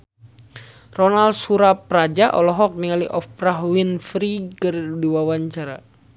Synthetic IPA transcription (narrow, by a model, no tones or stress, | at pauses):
rɔnalsuɾapɾad͡ʒaʔɔlɔɦɔk̚niŋaliʔɔfpɾaɦwinfɾikɨrdiwawaɲt͡ʃaɾa